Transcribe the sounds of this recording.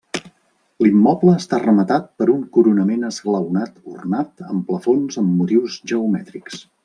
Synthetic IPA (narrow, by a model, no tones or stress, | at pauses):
limːɔpləːst̪arəmət̪at̪̚pəɾuŋkuɾunəmenəzɣləwnat̪ṵrnat̪əmpləfonzəmːut̪iwzʒəumɛt̪ɾiks